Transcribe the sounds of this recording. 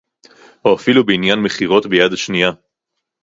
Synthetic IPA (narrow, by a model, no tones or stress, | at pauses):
oafilubeinjanme̞χiʁo̞tbejad̪aʃnija